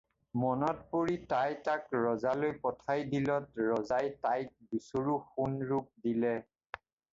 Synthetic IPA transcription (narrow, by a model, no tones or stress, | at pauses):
mɔnɔt̚poɹitajtakɹɔzalojpɔtʰajdilɔtɹɔzajtajt̚busoɹuxunɹuk̚dilɛ